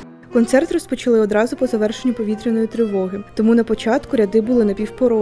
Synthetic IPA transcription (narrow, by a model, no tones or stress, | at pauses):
kɔnt̪sɛrt̪rɔspɔt͡ʃɐlˠɪɔd̪ɾɑzʊpɔzɐʋɛrʃenʲːɐpɔʋʲit̪ɾʲenɔjit̪ɾɪʋɔɦɪt̪ɔmunɐpɔt͡ʃɑt̪kʊɾʲɐd̪ɪbʊlˠɪnɐpʲiwpɔɾɔ